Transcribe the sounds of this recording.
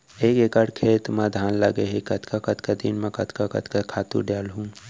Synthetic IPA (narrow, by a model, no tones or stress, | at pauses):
eːkekəɽkʰeːt̪mãd̪ʱaːnləɡeɦikɐt̪kakət̪kad̪inmẽkɐt̪kakɐ̰t̪kakʰaːt̪ṵɖjaːlɦũ